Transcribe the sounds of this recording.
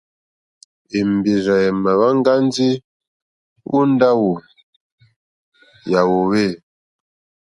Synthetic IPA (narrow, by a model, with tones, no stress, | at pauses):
e˨m˨bi˨za˨jɛ˨ma˨βa˦ŋ˦ɡa˦n˦zi˦ | wṵ˦n˦da˦wu˨ | ja˨wo˨we˦˨